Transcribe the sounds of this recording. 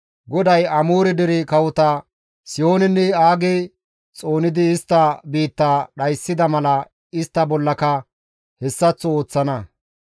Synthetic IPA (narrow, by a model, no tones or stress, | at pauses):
ɡɔd̪ɐjɐmuːɾɪd̪ɪɾɪkɐwʊt̪ɐ | sɪjo̞ːnɛnːɛaːɡɛ | t͡sʼo̞ːnɪd̪ɪːst̪ːɐbiːt̪ːaːɗɐjsːɪd̪ɐmɐlɐ | ɪst̪ːɐbɔlːɐkɐ | hɛsːɐt͡sːɔoːt͡sːɐnɐ